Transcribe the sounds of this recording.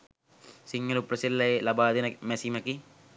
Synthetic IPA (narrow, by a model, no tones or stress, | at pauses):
siŋːɐlupːɾɐsilːɐelɐbaːd̪inɐmesimɐki